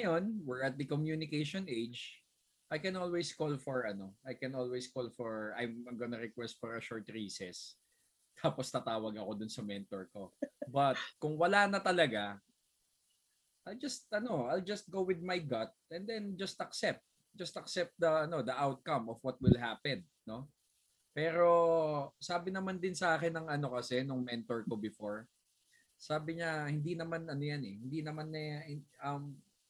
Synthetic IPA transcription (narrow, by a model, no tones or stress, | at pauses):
nɐjonwɪɹɐt̪̚d̪ɐkɔmjunɪkeʃonʔejd͡ʒ | ʔajkɛ̃nʔolwejskolfɔɹɐno̞ajkɛnʔolwɛskolfɔɹa̰jmɐmɡonɐɾɛkwɛst̪̚fɔɹɐʃɔɹt̪ɹiːsɛs | t̪ʰaːpost̪ɐt̪aːwɐɡɐko̞d̪ʊnsɐmɛnt̪ɔɹkobɐt̪̚kʊŋwɐlaːnɐt̪ɐlɐɡa | ʔajld͡ʒɐst̪̚ʔɐno̞ʔajld͡ʒɐst̪̚ɡowwɪd̪̚majɡɐt̪̚ɛnd̪ɛnd͡ʒɐst̪ɐksɛp̚t̪̚ | d͡ʒɐst̪ɐksɛp̚t̪̚d̪ɐɐno̞d̪ɐʔawt̪̚kɐmɔfwɐt̪̚wɪlɦaːpɛnːo̞ | pɛːɾo̞saːbɪnɐmand̪ɪnsɐʔaːkɪnːɐŋɐno̞kɐsɛnʊŋmɛnt̪ɔɹkobɪfoɹ | saːbɪɲahɪnd̪inɐmanɐnojanɛhɪnd̪inɐmanːɐʔɐm